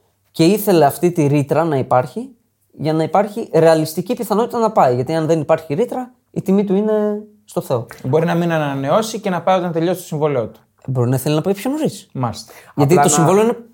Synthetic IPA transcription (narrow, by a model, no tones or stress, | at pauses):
ce̞iθe̞le̞ɐft̪it̪iɾit̪ɾɐnɐipɐɾçi | ʝɐnɐipɐɾçiɾe̞ɐlist̪icipiθɐno̞t̪it̪ɐnɐpɐiʝɐt̪iɐnðe̞nipɐɾçiɾit̪ɾɐ | it̪imit̪uine̞ | st̪o̞θe̞o̞bo̞ɾinɐminɐnɐne̞o̞sice̞nɐpɐiot̪ɐnt̪e̞ʎo̞sst̪osiɱvoliot̪u̥ | bo̞ɾinɐθelinɐpɐipçonoɾismɐst̪ʝɐt̪ito̞ssimɱvolioine